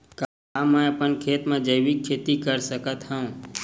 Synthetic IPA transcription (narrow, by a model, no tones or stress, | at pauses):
ka | mə̃əpənkʰeːt̪mãd͡ʒəjʋikʰːeːt̪ikəɾsəkət̪ɦə̃